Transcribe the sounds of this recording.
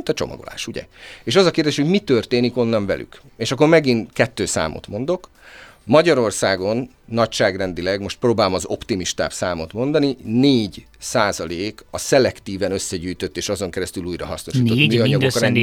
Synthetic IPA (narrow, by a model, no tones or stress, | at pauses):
nt̪ɒt͡ʃo̞̰mɒ̰ɡo̰la̰ːʃuɟɛ̰eːʃɒzɒkeːrd̪eːʃho̞ɟmit̪ørt̪eːniko̞nːɒɱvɛ̰lʔy̰k | eːʃɒkːormɛɡinkɛt̪ːøːsa̰ːmʔo̰t̪mo̞nd̪o̞k | mɒɟɒɾo̞rsaːɡo̞nː | ɒcʃaːɡrɛnd̪ilɛɡmo̞ʃt̪̚proːbaːlomɒzo̞pt̪imiʃt̪a̰ːpsaːmo̞t̪mo̞nd̪ɒnineːɟ | saːzɒleːkɒsɛlɛkt̪iːvɛnø̞sːɛɟyːjt̪ø̞t̪ːeːʃɒzo̞ŋkɛɾɛst̪yluːjrɒ̰ɦɒsno̞ʃiːt̪otːmiːɒɲɒɡok